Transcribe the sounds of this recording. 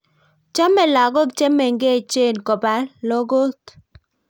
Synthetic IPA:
t͡ʃa˦mɛ˨la˨ɡo˦kt͡ʃe˦mɛ˨ŋɡe˦˨t͡ʃe˦˨nkɔ˨ba˨˦lo˦ɡo˦t

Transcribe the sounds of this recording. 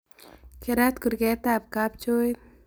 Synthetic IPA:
keɾa˦t̪ku˨ɾɡɛt̪ap̚ka˦p̚t͡ʃo˦j

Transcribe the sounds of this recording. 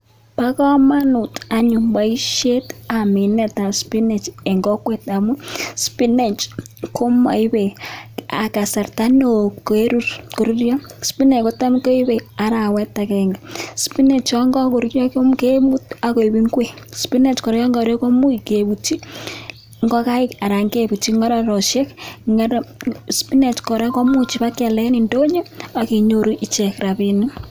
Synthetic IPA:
pa˦kɔ˦ma˦nu˨ta˨ɲu˨mba˨i˦ʃe˦ta˨mi˨nɛ˦˨ta˨spi˦ne˨t͡ʃɛ˨ŋɡɔ˦kwe˦ta˨mu˦spi˦ne˨t͡ʃko˦ma̰˨i˦βe˨a̰˨ka˨sa˨ɾta˦no˨ke˦ɾu˦ɾku˨ɾi˦ɾjɔ˦spi˦ne˨ko˦ta˦mu˦ko˦i˦βɛ˨a˨ɾa˨wɛ˦ta˨kɛŋɡa˨spi˦ne˨t͡ʃɔ˦ŋɡɔ˦ko˨ɾu˦ɾjɔ˦kmke˦mu˦ta˨ko˨bi˦ŋɡwe˦ | spi˦nɛ˨t͡ʃkɔ˨ɾjɔ˦ŋɡɔ˨ɾɛ˦kɔ˦mu˦i˨kebu˨t͡ʃi˦ | ŋɡɔ˦ka˦ɪka˨ɾa˨ŋɡe˦bu˨t͡ʃi˦ŋɔ˦ɾa˦ɾɔ˨ʃjɛ˦kŋɾspi˦nɛ˨t͡ʃkɔ˨ɾɛ˦kɔ˦mu˦t͡ʃi˨pa˦kɛ˨lɛ˦ni˨ndo˦ɲe˦a˨ki˨ɲo˦ɾu˦ʔi˦t͡ʃɛ˨krabini˦

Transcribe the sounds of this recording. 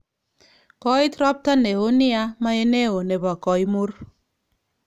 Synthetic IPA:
kɔ˦i˦tɾɔ˦p̚ta˦ne˨o˦ni˦a˦ma˦e˦ne˦o˨ne˨ba˨kɔ˨i˦mu˦r

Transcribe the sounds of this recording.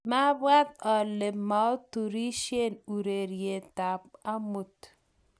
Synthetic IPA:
ma˦bwa˦t̪̚ɔ˨le˨ma˨o˦tu˨ɾi˦ʃje˦˨nu˨ɾe˨ɾje˨ta˨p̚a˦mu˨t

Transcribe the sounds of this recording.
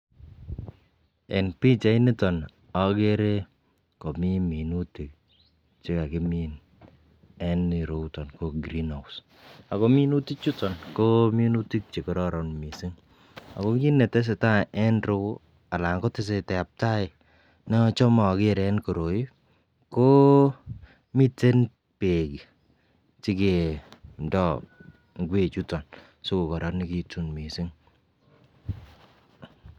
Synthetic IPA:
ɛ̰˨npi˦t͡ʃa˦i˦ni˦tɔ˨n | a˨ke˦ɾe˦ | ko˨mi˦mi˨nu˦ti˨k̚ | t͡ʃe˦ka˨kɪ˦mi˦n | ɛ˦ni˨ɾo˦tɔ˨nko˦ɡɾi˦nha˨ws | a˨ko˦mi˦nu˦ti˦k̚t͡ʃu˦tɔ˨nko˦mi˦nu˦ti˦k̚t͡ʃe˨kɔ˨ɾɔ˦ɾɔ˨nmi˨si˦ŋ | a̰˨ko˦ki˦nːɛ˨tɛ˦s̬e˨ta˦ɛ˦nɾo˦ | a˨la˨ŋkɔ˦tɪ˦s̬e˧tɛ˨a˨p̚ta˦ɪ˨ | nɔ˦t͡ʃɔ˦mɔ˨kɪ˦ɾɛ˨˦nko˨ɾo˨ji˦ | ko˦ | mi˦te˦n | pe˨ki˨ | t͡ʃi˦ke˨m˨dɔ˦˨ | ŋɡʷwe˦˨t͡ʃu˦tɔ˨n | so˦ko˨kɔ˨ɾɔ˨˦ni˦ki˦tu˦nmi˨si˦ŋ

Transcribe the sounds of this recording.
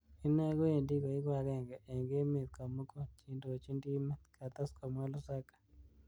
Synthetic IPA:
i˦na˦ɡo˦e˨ndi˦ko˨ɪ˦kwa˨ɾɛ˦˨ŋɡɛ˨ʔːŋɡe˦me˨t̪̚ka˨mu˦kɔ˦t͡ʃi˦ndo˨t͡ʃi˦ndi˦me˦t̪kʰa˨t̪a˦ska˨mwa˦lɔ˦sa˦kḁ˨

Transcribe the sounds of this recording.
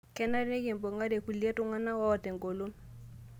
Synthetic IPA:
kɛ˦na˦ɾne˦ke˨mbɔ˨ŋa˦ɾe˨ku˨lja˦tʊ˦ŋa˦na˦wa˦ɔ˨tɛ˨ŋɡo˨lo˦n

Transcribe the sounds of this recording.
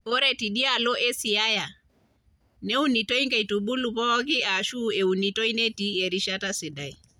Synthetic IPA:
ɔ˦ɾɛ˦ti˨ɗi˦a˦lɔ˦ʔɛ˦si˨a˦ja˨ | nɛ˦u˦ni˨tɔ˦i˦ŋɡa˨i˨tu˨ɓu˦lu˨pɔ˦ɔ˦ki˦ʔa˨ʃu˦ɛ˨u˨ni˨tɔ˦i˦nɛ˦ti˦ɛ˨ɾi˦ʃa˦ta˦si˨da˨i˨

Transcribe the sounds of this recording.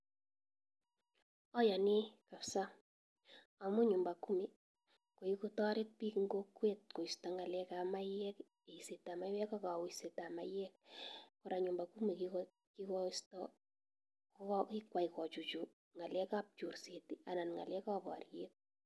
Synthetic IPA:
ɔ˦ja˨ni˦ka˨psa˦ | a˨mu˦ɲʊ˨mba˨ku˦mi˨ | ko˨ji˦ku˦tɔ˦ɾɪ˦t̚pi˦kŋɡo˦kwe˦t̚ko˨istɔ˨ŋa˨lɛ˦ka˨ma˦jɛ˦k | e˨i˨se˨ta˨ma˦jwɛ˦ka˦ka˨wi˨se˨ta˨ma̰jɛkkʊɾa˨ɲu˨mba˨ku˦mi˨ki | kikɔstɔ | kikwa˨ikɔ˨t͡ʃu˨t͡ʃu˨ | ŋa˨lɛ˦ka˦p̚t͡ʃu˨rse˨ti˦ʔa˨na˨nŋa̰˨lɛ˦ka˦ba̰˨ɾjet̚

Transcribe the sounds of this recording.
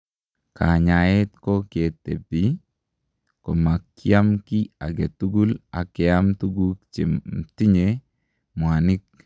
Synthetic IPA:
ka˨ɲa˨e˦t̪ko˦ke˨t̪ːḛ˨pi | ko˨ma˨kja˦mki˦a˨ɡe˨t̪u˦ɡu˦la̰˨kɪ˨a˦mtu˦ɡu˦kt͡ʃe˨mti˦ɲe | mwa˨ni˦k̚

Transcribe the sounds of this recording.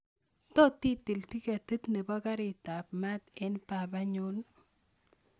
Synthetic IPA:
t̪ɔ˦t̪i˦t̪i˨lti˦ke˨t̪ɨ˦t̪ne˨ba˦ka˦ɾɪ˨ta˨pma˦t̪ɛ˦npa˨ba˦ɲo˦l

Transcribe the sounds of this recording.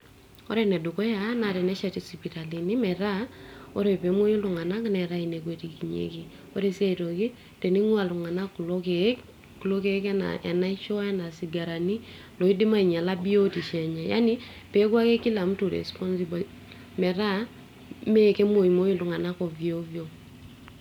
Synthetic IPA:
ɔ̰ɾɛ˨nɛ˨do˨kɔ˦ja˨˦na˨ɾɛ˨nɛ˦ʃɛ˨ti˨sipi˨ta˨li˨ni˦mɛ˨ɾa˦ɔ̰˦ɾe˨pe˨˦mo˦jo˦lʊ˨ŋa˨na˦kinɛɾa˦ine˨k̬we˨ti˨ki˨ɲḛ˦ki˦ | o˦ɾe˨si˦a˦i˨to˨kɪ˦ | te˨ni˦ŋwa˨lʊ˨ŋa˨na˦ku˨lo˦ke˦k | ku˨lo˦ke˦kɛ˦na̰ʔɛ̰˨na˦i˦ʃɔ˦ɛ˦na˨si˨ɡa˨ɾa˨ni˦ | lɔ˨i˦dɪ˦ma˦i˨ɲa˨la˦bi˦o˦ti˨ʃɛ˨ɲa˨ja̰˦ni˦ | pe˨˦kwa˦ke˦ki˦la˨m˦tu˨ɾɛ̰˨spɔ˦nsi˦bo˨l | mɛ˨ɾa˦ | me˦˨ke˦mo˨i˨mo˦ji˦lu˨ŋa˨na˦ko˨vi˨o˦vjo˦

